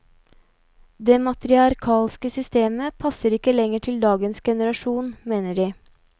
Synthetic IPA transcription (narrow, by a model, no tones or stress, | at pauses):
d̪emɑt̪ɾɪɑɾkʰɑːlskəsʏst̪eːməpʰɑsəɾɪkːəlɛŋəʈʰɪld̪ɑːɡənsɡɛnəɾɑʂuːnmeːnəɖiː